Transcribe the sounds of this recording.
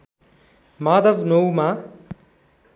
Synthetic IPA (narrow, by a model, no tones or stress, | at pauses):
maːd̪ɐʋnowma